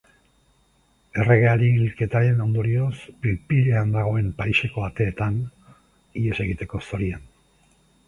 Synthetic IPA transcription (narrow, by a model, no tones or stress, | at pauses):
e̞re̞ɣ̞e̞aɾilke̞t̪aɾe̞no̞nd̪o̞ɾio̞spilpiʎeand̪aɣ̞o̞e̞mpajʃe̞ko̞at̪e̞ːt̪an | iese̞ɣ̞it̪e̞ko̞so̞ɾian